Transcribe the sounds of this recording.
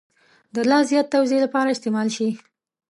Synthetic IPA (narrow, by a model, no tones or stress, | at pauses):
d̪əlɑzjɑt̪ːawzelapɑɾaɪst̪emɑlʃi